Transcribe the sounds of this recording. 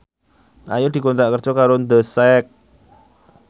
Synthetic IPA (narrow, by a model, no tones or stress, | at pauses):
a̰jud̪̥i̤kont̪ɾaʔkər̥d͡ʒ̥ɔkaɾond̪əsɛk̚